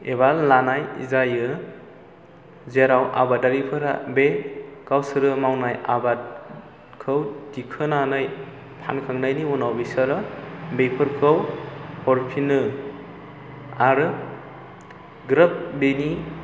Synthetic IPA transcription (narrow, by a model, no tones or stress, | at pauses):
ebalːanajzajɯ | zeɾawʔa̰badaɾipʰɯɾa̰bekawsɯɾɯmawnajaba | kʰɯwdikʰɯnanaj | pʰa̰nkʰaŋnajniunawbisaɾɯbepʰɯɾkʰɯwhɔɾpʰinɯ | aɾɯ | ɡɾɯp̚beni